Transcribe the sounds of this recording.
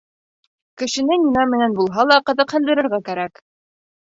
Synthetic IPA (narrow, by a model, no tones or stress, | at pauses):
kɘ̆ʃɘ̆nɘnʲinæmɘ̆nænbulˠɦɑlˠɑqɤ̆ðɤ̆qhɘ̆nd̪ɘ̆ɾɘ̆ɾɣækæɾæk